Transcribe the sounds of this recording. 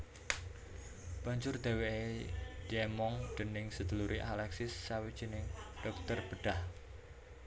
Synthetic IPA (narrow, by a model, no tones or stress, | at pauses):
b̥aɲd͡ʒʊrd̪̥e̤weed̪̥i̤ɛmɔŋd̪̥ənɪŋsəd̪̥ə̤luɾiʔalɛksɪsːawid̥ʒ̥i̤nɪŋɖ̥ɔk̚t̪ərb̥əɖ̥ah